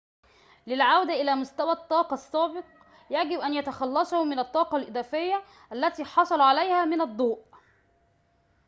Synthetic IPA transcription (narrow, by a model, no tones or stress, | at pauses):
lɪlʕawd̪aʔɪlæːmʊst̪æwæt̪ˤːɑːqɑsːæːbɪq | jæɡɪbʔænjæt̪æxɑlːɑsˤɑhʊmɪnæt̪ˤːɑːqɑlʔɪd̪æːfɪjːæ | ʔælːæt̪iːħɑsˤɑlʕalæjhæːmɪnɑd̪ˤːuːʔ